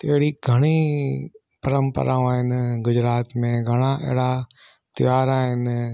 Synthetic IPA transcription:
t̪eɦɦɪɽiɡʱɐɽ̃i | pɐɾə̃mpə̰ɾʔãːaːɦɪnɪɡʊd͡ʑɾaːt̪mẽɡʱɐɽ̃aʔḛɦɪɽa | t̪ɪʋaːɾaːɦɪnɪ

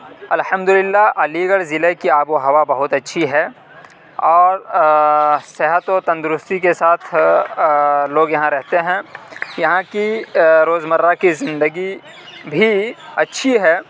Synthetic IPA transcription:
ɐlhɐmd̪ʊlɪlːaʔɐliɡəɽzɪlekiaːboɦɐʋabɐɦʊt̪ɐtːʃʰiɦɛ | ɔːɾ | seɦət̪ot̪ɐ̃nd̪ʊɾʊst̪ikesaːt̪ʰ | loːɡjɐɦãɾɛɦt̪eɦɛ̃ːjɐɦãkiɾoːzmɐɾːakizɪ̃nd̪əɡi | bʱiɐtːʃʰiɦɛː

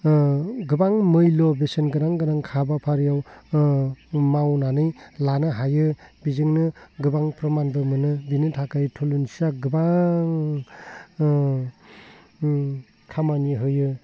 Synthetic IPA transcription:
ɡɯbaŋmɯjlɔbesenɡɯnaŋɡɯnaŋkʰabapʰaɾjaw | mawnanɯjlanɯɦajɯbizɯŋnɯɡɯbaŋpɾɔmanbɯmɯnɯbinɯtʰakajtʰulunsiaɡɯbaŋ | kʰamaniɦɯjɯ

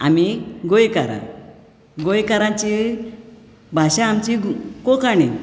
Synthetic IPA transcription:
a̰miɡojkaɾã̰ | ɡojkaɾãt͡ɕi | bʱaɕãːmt͡ɕikɔkani

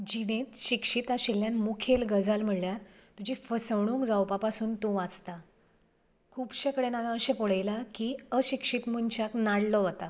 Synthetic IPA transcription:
d͡ʑinẽt̪ɕikʂit̪aɕilːjanmukʰelɡəd͡zalm̤əɽljaɾt̪ud͡ʑʱifəsəʋɽ̃ũŋkd͡zawpapasuːnt̪uʋat͡st̪a | kʰuːbɕekɽenaʋãəɕẽpoɽajlakiəɕikʂit̪munt͡ɕaknaɽlɔʋət̪a

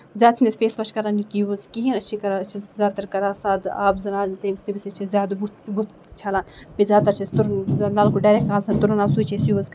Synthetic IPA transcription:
zʲaːd̪̚t͡ʃʰinesʲfeːsʋɐʃkɐɾanikiuzkiɦinɐt͡ʃʰikɐɾat͡ʃʰizʲaːt̪ɐɾkɐɾaːsaːd̪a̰ːbzɐnaːlit̪emstibisʲet͡ʃʰizʲaːd̪but̪but̪ | t͡ʃʰalaːnpizʲaːt̪ɐɾt͡ʃʰist̪uɾnzɐnaːlkuɖɐːɾek̚aːbsɐnt̪uɾɐnaːbsuːt͡ʃʰesjuɐz

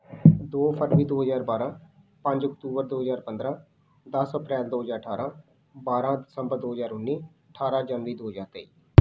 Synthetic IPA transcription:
d̪oːpʰəɾʋiːd̪oːɦəzaːɾbaːɾãː | pə̃ɲd͡ʒɔkʈuːbəɾd̪oːɦəzaːɾpə̃nd̪ɾãː | d̪əsəpɾɛːld̪oːɦəzaːɾəʈʰaːɾãː | baːɾãːd̪ɪsə̃mbəɾd̪oːɦəzaːɾʊnːiː | əʈʰaːɾãːd͡ʒaːnʋiːd̪oːɦəzaːɾt̪eiː

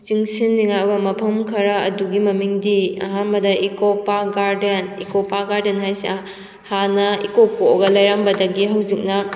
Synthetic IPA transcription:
t͡ʃiŋsinːiŋabɐmɐpʰɐmkʰɐɾɐɐduɡimɐmiŋdiɐ̰ɦanbɐdɐʔikopaɡaɾdenḭkopaɡaɾdenhajsa | hanɐikokoɡɐlɐjɾambɐdɐɡiɦawzik̚nɐ

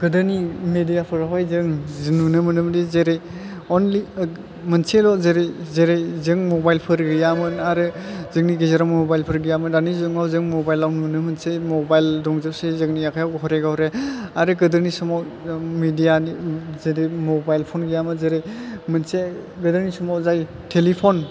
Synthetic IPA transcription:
ɡ̥ɯdɯnimedijapʰɯɾaɦajzɯŋznunɯmɯnɯmdizeɾejɔnl | mɯnselɔzeɾezeɾejzɯŋmɔbajlpʰɯɾɡɯjamɯnaɾɯzɯŋniɡezaɾammɔbajlpʰɯɾɡɯjamɯndanizɯŋawzɯŋmɔbajlːawnunɯmɯnsejmɔbajldɔŋzɯp̚sezɯŋnijakʰajawɦɔɾeɡawɾeaɾɯɡɯdɯɾnisɔmawmidijanizeɾemɔbajlpʰonɡɯjamɯnzeɾejmɯnse | ɡɯdɯɾnisɔmawzaj | tʰelipʰon

